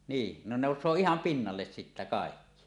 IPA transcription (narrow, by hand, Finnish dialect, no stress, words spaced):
niː ne noˑusˑoː ihɑm pinːɑlːes sitːæ kɑˑekːi